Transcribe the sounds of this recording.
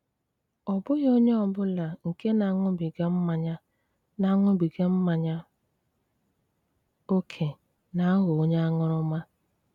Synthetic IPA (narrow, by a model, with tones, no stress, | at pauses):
ɔ˨bʊ˦ɣo˦ɲe˦ɔ˨bʊ˦la˨ŋ̩˨ke˦na˨˦ŋʊ˦bi˨ɡe˦m̩˦ma˨ɲa˦ | na˨˦ŋʷʊ˦bi˨ɡe˦m̩˦ma˨ɲa˦ | o˦kʰe˨ | na˨a˦ɣo˨o˦ɲe˦a˦ŋʊ˦ɾʊ˦ma˦